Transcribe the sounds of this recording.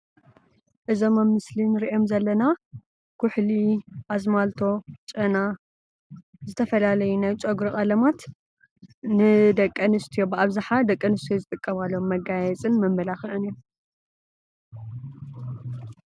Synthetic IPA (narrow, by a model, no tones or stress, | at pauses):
ʔɨzo̞mɐmːɨslinɨɾiʔo̞mzɐlːɐna | kʰʊħliʔazmalt̪ʰo̞t͡ʃʼɐna | zɨt̪ʰɐfɐlalɐjunajt͡ʃʼoɡɾoʔʼalɐmat̪ | nɨd̪ɐkʼːɐnɨst̪ʰijobɨaβzaħad̪ɐkʼːɐnɨst̪ʰjozɨt̪ʼɨkʼːɐmalːo̞mːɐɡajɛt͡sʼɨnmɐmːɐlaxɨʔɨnio